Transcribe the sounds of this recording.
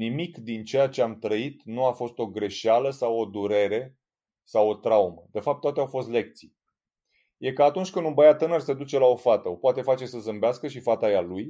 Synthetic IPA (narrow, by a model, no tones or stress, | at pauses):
nimikd̪int͡ʃe̞jat͡ʃe̞amt̪ɾəit̪nuafo̞st̪o̞ɡɾe̞ʃaləsawo̞d̪uɾe̞ɾe̞ | sawo̞t̪ɾawuməd̪̥e̞fap̚t̪ːoat̪eawfo̞st̪le̞k̚t̪si | je̞kəat̪unt͡ʃʲkɨnubəjat̪ɨnərsed̪ut͡ʃe̞lao̞fat̪əo̞poat̪e̞fat͡ʃe̞səzɨmbeaskəʃifat̪ajaluj